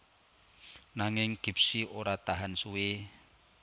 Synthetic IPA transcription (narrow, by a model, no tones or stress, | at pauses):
naŋɪŋɡ̥i̤p̚siʔoɾat̪aɦansuwe